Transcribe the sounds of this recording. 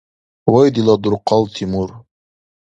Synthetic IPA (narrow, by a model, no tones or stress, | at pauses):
wajd̪ilɑd̪uɾqɑlˠt̪ʰimuɾ